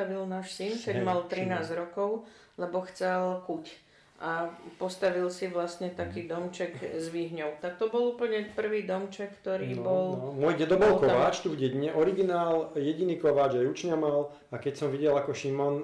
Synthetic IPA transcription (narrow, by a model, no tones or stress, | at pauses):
aʋilnaːʃsinkɛmalt̪ɾinaːzɾɔkɔʊlɛbɔxt͡sɛlkuc | ʔapɔst̪aʋilsiʋlast̪ɲɛt̪akiːd̪ɔmt͡ʃɛɡzʋiɦɲɔʊt̪ak̚t̪ɔbɔluːpl̩ɲɛpr̩ʋiːd̪ɔmt͡ʃɛkːt̪ɔɾiːbɔlmʊɔjɟɛd̪ɔbɔlkɔʋaːt͡ʃt̪uvɟɛɟɲɛʔɔɾiɡinaːljɛɟiniːkɔʋaːd͡ʒajut͡ʃɲamal | akɛcsɔmʋiɟɛlakɔʃimɔn